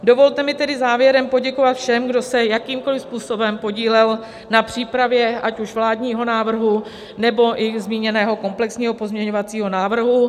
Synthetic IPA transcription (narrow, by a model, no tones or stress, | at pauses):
do̞vo̞lt̪ɛmɪt̪ɛdɪzaːvjɛɾɛmpo̞ɟɛko̞vat̪fʃɛmɡdo̞sɛjakiːmko̞lɪfspuːso̞bɛmpo̞ɟiːlɛl | napr̝̥iːpɾavjɛʔacuʃvlaːdɲiːɦo̞naːvr̩ɦu | nɛbo̞ʔɪzmiːɲɛnɛːɦo̞ko̞mplɛksɲiːɦo̞po̞zmɲɛɲo̞vat͡siːɦo̞naːvr̩ɦu